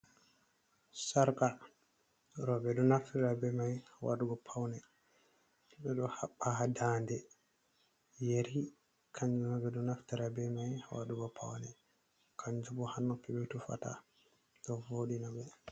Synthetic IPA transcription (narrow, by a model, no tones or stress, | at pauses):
saɾka | ɾɔbɛdɔnaftiɾabɛmajhawaɗuɡɔpʰawnɛ | ɓɛɗɔhaɓːahadandɛ | jeɾi | kʰaɲd͡ʒumabɛdɔnaftiɾabɛmajhawa̰ɗuɡɔpʰa̰wnɛ | kʰaɲd͡ʒubɔhanːɔpɛbɛtufa̰ta̰ | tɔvoɗinabɛ